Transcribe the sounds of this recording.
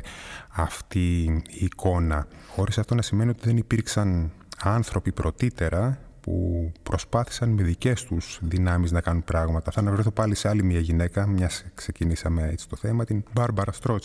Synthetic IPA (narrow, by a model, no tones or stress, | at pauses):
ɐft̪iːkʰo̞nɐxo̞ɾisɐft̪o̞nɐsime̞nio̞t̪iðe̞nipiɾksɐn | ɐnθɾo̞pipɾo̞t̪it̪e̞ɾʔɐpṵpɾo̞spɐθi̥sɐnme̞ðice̞st̪uz̥ðinɐmiznɐkɐnunpɾɐɣmɐt̪ɐθɐnɐvɾeθopɐlise̞ɐlimiɐʝine̞kɐmɲɐskse̞cinisɐme̞ḛt͡si̥t̪o̞θemɐt̪inbɐɾbɐɾɐst̪ɾo̞t͡s